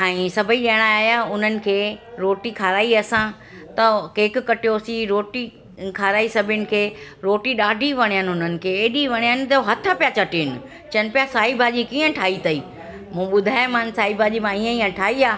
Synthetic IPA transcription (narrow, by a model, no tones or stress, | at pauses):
ɛ̃sɐbʱiɗiəɽ̃aaːɦjaʊn̤ənɪ̆kʰeːɾoːʈikʰaːɾaːiɐsã | t̪ɐkeːkɪkɐʈijosiɾoːʈi | kʰaːɾaːisɐbʱɪʊnɪ̆kʰeːɾoːʈiɗaːɖʱiʋɐɽ̃ijənɪ̆ɦʊnənɪ̆kʰeːeːɗiʋɐɽ̃ijənɪ̆t̪ɐoɦɐt̪ʰəpijat͡ɕɐʈiɪnɪ̆ | t͡ɕɐnɪ̆pjasaːibʱaːʄikiːə̃ʈʰaːit̪ɐiː | mũːɓʊd̪ʱaːjmãːnsaːibʱaːʄimãiːə̃iːə̃ʈʰaːiaː